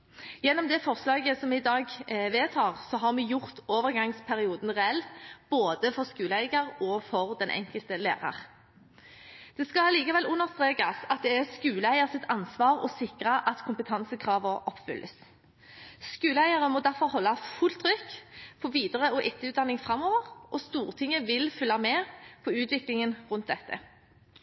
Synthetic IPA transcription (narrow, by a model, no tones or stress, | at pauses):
jɛnːɔmd̪ɛfɔʁslɑːɡəsɔmɛɪd̪ɑːɡʋeːt̪ʰɑːʁsɔɦɑʁmɛjʊʁt̪oːʋəʁɡɑŋspʰæʁɪuːd̪n̩ʁɛɛlb̥oːd̪əfɔʁskʉːləæɪɡəʁɔfɔʁd̪ɛnʔɛ̰ŋkəlt̪əlḛːʁɑ̰ʁ | d̪̥ɛskɑliːkɑʋɛlʉnːəʁst̪ʁeːkɑsɑt̪̚d̪ɛæskʉːləæɪəʁsɪt̪ʰɑnsʋɑːʁɔ̰sɪkʁɑʔɑt̪kʰʊmpət̪ʰɑnsəkʰʁɑːʋəʔɔpːfʏ̰lʔə̰s | skʉːləæɪəʁəmɔd̪æʁfɔʁhɔlːɑfʉlt̪ʰʁʏkpʰɔʋiːd̪əʁəɔʔɪt̪ːəʉːt̪d̪ɑnːɪŋfʁɑmoːʋəʁʔɔst̪uːʁət̪ʰɪŋəʋɪlfʏlːɑmɛːpʰɔʉːt̪ʋɪklɪŋənʁʉnt̪̚d̪ɛt̪ːə̰